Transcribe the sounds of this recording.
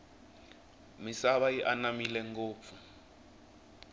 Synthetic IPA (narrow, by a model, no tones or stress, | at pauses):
misaβajiʔanamilɛŋɡoːp̪fu